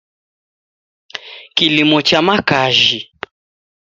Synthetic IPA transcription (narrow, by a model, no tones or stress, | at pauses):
kilimɔt͡ʃamakaʒi